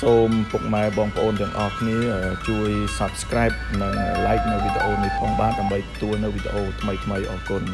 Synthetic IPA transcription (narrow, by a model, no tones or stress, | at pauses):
soːmpuk̚maɛɓɑːŋpə̆ʔoːnt̪ɛ̆əŋʔɑ̰hkʰniəəːt͡ɕuəjsap̚skraɛp̚nɨŋəlaɛk̚nɨwʋid̪ḛʔoːnip̪ʰoːŋɓaːt̪̚ɗaəmɓəjt̪ɑ̥t̪uəlnɨwʋid̪eʔoːt̪ʰməjt̪ʰməjʔɑːkun